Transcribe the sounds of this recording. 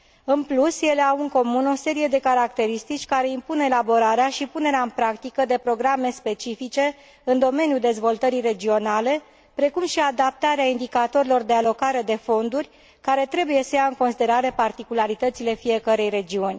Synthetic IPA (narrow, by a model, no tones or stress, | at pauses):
ɨnplusje̞le̞awɨŋko̞muno̞se̞ɾije̞d̪e̞kaɾak̚t̪e̞ɾist̪it͡ʃʲkaɾe̞impune̞labo̞ɾaɾeaʃipune̞ɾeaɨnpɾakt̪ikəd̪e̞pɾo̞ɡɾame̞spe̞t͡ʃifit͡ʃe̞ | ɨnd̪o̞me̞nijuld̪e̞zvo̞lt̪əɾire̞d͡ʒio̞nale̞ | pɾe̞kumʃiad̪ap̚t̪aɾeaind̪ikat̪o̞ɾilo̞rd̪e̞alo̞kaɾe̞d̪e̞fo̞nd̪urʲ | kaɾe̞t̪ɾe̞buje̞səjaɨŋko̞nsid̪e̞ɾaɾe̞part̪ikulaɾit̪ət̪sile̞fije̞kəɾe̞jre̞d͡ʒiunʲ